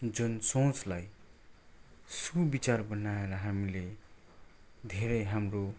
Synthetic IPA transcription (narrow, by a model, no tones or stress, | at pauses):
d͡zunsõt͡slaj | subit͡sarbʌnaeɾʌɦamile | d̪ʱeɾʌjɦamro